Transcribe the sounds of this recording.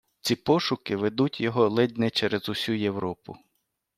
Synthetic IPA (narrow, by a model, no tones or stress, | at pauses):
t͡sʲipɔʃʊkɪʋed̪utʲjɔɦɔlˠɪd̪ʲnɛt͡ʃɛɾezʊsʲujewɾɔpʊ̰